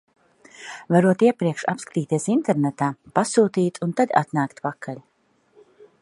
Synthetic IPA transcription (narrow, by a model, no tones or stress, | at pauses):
vaɾuɔt̪iɛpɾiɛkʃa̰pskḁt̪iːt̪iɛsint̪ɛɾnɛt̪aːpasuːt̪iːt̪ʰunt̪ad̪ʲa̰t̪naːkt̪pakʰːal